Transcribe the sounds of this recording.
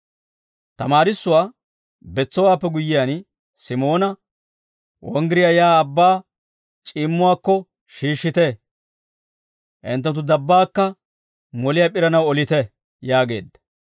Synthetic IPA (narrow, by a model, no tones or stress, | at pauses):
t̪ɐmaːɾɪsːʊwaː | bɛt͡sːɔwaːpːɛɡʊjːɪjaːn | sɪmo̞ːnɐ | wɔ̰ŋɡɪɾɪjajaːɐbːaː | t͡ʃʼiːmːʊwaːkːɔ | ʃiːʃːɪt̪e | ʔɪ̰nt̪̬ːɐt̪̬ːʊd̪ɐbːaːkːɐ | mɔlɪjapʼɪɾɐnɐwɔlɪt̪ɛ | jaːɡe̞̰ːd̪ːɐ̥